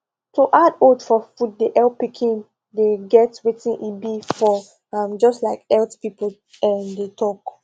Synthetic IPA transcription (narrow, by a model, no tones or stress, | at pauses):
toʔadodfɔfud̚deʔɛlpikʰĩn | deɡɛtwetĩnʔibifɔ | ãmd͡ʒɔstlaɪkɛltpipəl̩ | ɛ̃ndetʰɔk